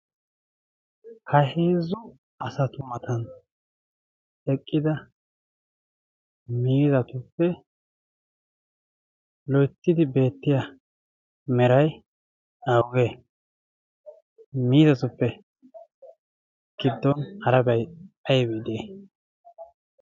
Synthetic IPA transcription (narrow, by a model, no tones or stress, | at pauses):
hɐheːzʊ | ɐsɐt̪ʊmɐt̪ɐn | ɛkʼːɪd̪ɐ | miːzɐt̪ʊpːɛ | lɔjt̪ːɪd̪ɪbe̞ːt̪ːɪjɐ | mɛɾɐj | ɐwɡeː | miːzɐt̪ʊpːɛ | ɡ̥ɪd̪ːɔnhɐɾɐbɐjɐjɛbid̪eː